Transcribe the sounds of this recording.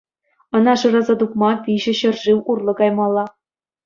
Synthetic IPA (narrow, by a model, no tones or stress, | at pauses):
ɤ̆nɑʂɯɾɑzɑd̪ukmɑpʲiʑɘ̆ɕɤ̆rʐiwurlˠɤ̆ɡɑjmɑlˠːɑ